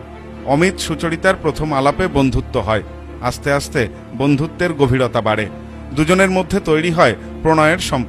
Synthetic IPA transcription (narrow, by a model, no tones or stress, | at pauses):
ɔmit̪ʃut͡ɕoɽit̪aɾpɾot̪ʰomalapebond̪ʱut̪ːoɦɔe | ast̪east̪e | bond̪ʱut̪ːeɾɡobʱiɾot̪abaɽe | d̪ud͡ʑoneɾmod̪ʱːet̪ojɽiɦɔe | pɾoñɔeeɾʃɔmp